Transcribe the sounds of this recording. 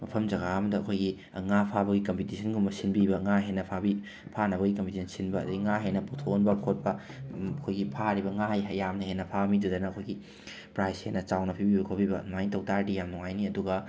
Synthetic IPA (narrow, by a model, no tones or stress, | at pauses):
mɐpʰɐmd͡ʒɐɣaɐmɐdɐɐkʰojɡi | ŋapʰabɐɡikɐmpitisʰɐnɡumɐsinbibɐŋaɦenːɐpʰabi | pʰanɐβɐɡikɐmpitisʰɐnsinbɐ̰ːduɡiŋaɦenɐpotʰonbɐkʰot̚pɐɐkʰojɡipʰaɾibɐŋajɦɐjamnɐɦenːɐpʰamidudɐnɐɐkʰojɡi | pɾajshenːɐt͡ʃawnɐpʰibibɐkʰot̚bibɐ̰najntɐwtaɾdijamnuŋajniɐduɡɐ